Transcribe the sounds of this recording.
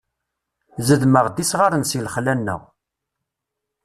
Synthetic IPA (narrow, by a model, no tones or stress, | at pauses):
zəðməʁd̪isʁaɾənsilχlænːə̰ʁ